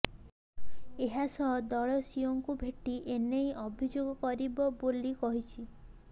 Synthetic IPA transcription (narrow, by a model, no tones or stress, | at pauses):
eɦasɔɦd̪ɔɭɔsioŋkubʱeʈiʔenejʔɔbʱid͡ʒoɡɔkɔɾibɔbolikɔɦit͡ʃʰi